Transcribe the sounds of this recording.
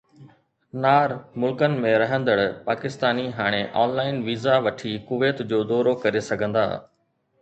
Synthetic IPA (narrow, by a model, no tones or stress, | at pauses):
naːɾmʊlkənɪ̆mẽɾɐɦə̃nd̪əɽpaːkɪst̪aːniɦaːɽ̃eʔaːnlaːɪnʋiːzaʋɐʈʰikʊʋeːt̪d͡ʑoːd̪ɔːɾokɐɾesɐɡʱə̃nd̪a̰ː